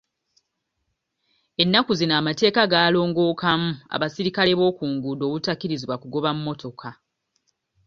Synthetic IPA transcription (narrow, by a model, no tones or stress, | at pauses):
e̞nːakuzinaːmate̞ːkaɡaːlo̞ːŋɡo̞ːkamua̰βasiɾikale̞βo̞ːkuːŋɡudo̞ːβutakːiɾiziβwakuɡo̞βamumːo̞to̞kʰa